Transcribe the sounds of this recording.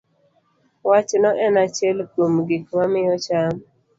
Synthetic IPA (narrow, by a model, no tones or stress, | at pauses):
wat͡ʃnɔʔɛnat͡ʃɛlkomɡikmamɪjɔt͡ʃam